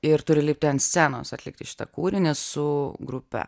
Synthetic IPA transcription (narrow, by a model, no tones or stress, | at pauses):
ɪɾt̪ʊɾʲɪlʲiːp̚ʲt̪ʲɛɐnsʲæno̰ːsɐt̪ʲlʲɪ̰k̚t̪ʲɪʃʲɪ̥t̪ɐ̰kuːɾʲɪnʲesʊɡɾʊpʲɛ̰